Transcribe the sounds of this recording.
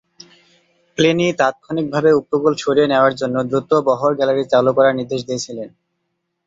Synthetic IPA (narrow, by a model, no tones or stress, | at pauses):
plenit̪at̪̚kʰonik̚bʱabeupɾoɡult͡ɕʰoɾieneoaɾd͡ʑonːod̪ɾut̪obɔɦoɾɡɛlaɾit͡ɕalukɔɾaɾniɾd̪eʃd̪et͡ɕʰilen